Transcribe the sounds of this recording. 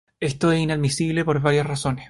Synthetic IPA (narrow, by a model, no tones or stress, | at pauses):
est̪oesinaðmisiβlepoɾβaɾjasrasones